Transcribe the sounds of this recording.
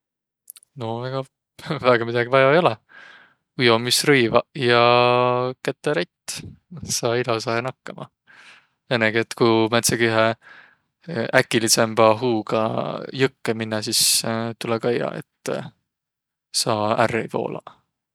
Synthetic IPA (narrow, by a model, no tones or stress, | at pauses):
novæɡ̥ɑ | væːɡ̥ɑmid̪̥ɑɡivɑjɑejo̞lɛ | ujomisrɤjvɑjɑ | ket̪ˑːeɾet̪ːsɑːilosɑhenɑkːɑmɑ̰ | enːeɡiet̪ːkumæt̪sɑɡ̥yɦe | ʔækːˑilise̞mb̥ɑɦuːɡ̥ɑ̰jɤkːeminːɑsist̪ulɛɡ̥ɑjːɑ̰ḛt̪ːˑ | sɑːæ̰rːejpo̞̰ːlɑ̰